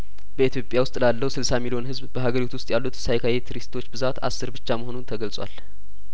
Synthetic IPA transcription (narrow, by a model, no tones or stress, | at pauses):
bəit̪ijo̞pʼjawʊst̪ʼlalːəwsɨlsamilijo̞nhɨzbbəɦaɡəɾit̪ʰuwʊst̪ʼjalːut̪sajkʰajɛt̪ʰɨɾist̪ʰo̞t͡ʃːbɨzat̪a̰sːɨɾbɨt͡ʃːaməɦo̞nunt̪ʰəɡəlsʼwa̰l